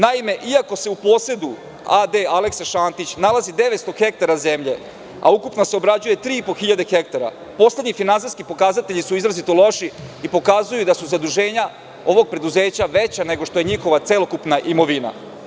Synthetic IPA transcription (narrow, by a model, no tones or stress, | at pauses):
naime̞ʔiako̞se̞upo̞ːse̞d̪u | ad̪e̞aleksaʃaːnt̪it͡ɕnalazid̪e̞ʋet̪st̪o̞xe̞k̚t̪aɾaze̞mʎe̞ | a̰ukupnoseo̞bɾad͡ʑuje̞t̪ɾiːipo̞xiʎad̪exe̞k̚t̪aɾa̰ | po̞sle̞d̪ɲifinansiskipo̞kazat̪eʎisuizɾazit̪o̞lo̞ʃiipo̞kaːzujud̪asuzad̪uʒe̞ːɲa | o̞ʋo̞ɡ̚pɾe̞d̪uze̞ːt͡ɕaʋet͡ɕane̞ɡo̞ʃt̪o̞jeɲixo̞ʋat̪selˠo̞kupnaʔimo̞ʋina̰